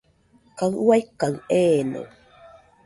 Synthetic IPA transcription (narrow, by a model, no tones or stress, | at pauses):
kaŋuwajkːaŋeːno̰